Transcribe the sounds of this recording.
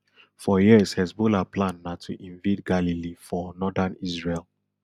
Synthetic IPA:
fɔjishɛsbolaplãnːatʰuʔĩnvetɡalilifɔnɔdanisɹel

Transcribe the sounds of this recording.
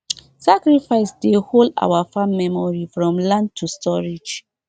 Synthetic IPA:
sakɹifaɪsdeholda̰wafãmːɛmɔɹifɹɔ̃mlãnd̚tʰustɔɹid͡ʒ

